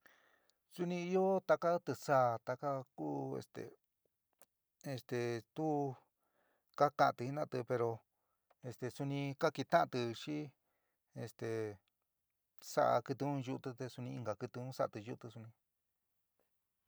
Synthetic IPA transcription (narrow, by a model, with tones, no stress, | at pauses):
su˧nĩ˧i˧jo˦t̪a˧ka˦t̪ɨ˧sa˦˨t̪a˧ka˦kuː˦ḛ˧st̪ḛ˨ | e˧st̪e˨t̪u˦ | ka˦kã˧ʔt̪ɨ˧i˦nã˦˧t̪ɨ˧pe˧ɾo˧ | e˧st̪e˧su˧nĩ˧ka˦ki˧t̪ã˦ʔã˧t̪ɨ˧ʃi˦ | e˧st̪e˨ | sa̰˦ʔa̰˧kɨ˧t̪ɨ˧ũ˦ʒu˧t̪ɨ˧t̪e˧su˧nĩ˧i˧ŋɡa˨kɨ˧t̪ɨ˧ũ˦sa˦ʔa˧t̪ɨ˧ju˧t̪ɨ˧su˧nĩ˧